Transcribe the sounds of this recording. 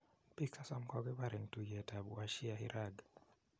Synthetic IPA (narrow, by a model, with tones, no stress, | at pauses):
piksa˦sa˦mkɔ˦kɛ˦ba˨ɾɛ˨ŋtu˨jɛ˨ta˨bu˨a˨ʃi˦ahḭ˦ɾʔaɡ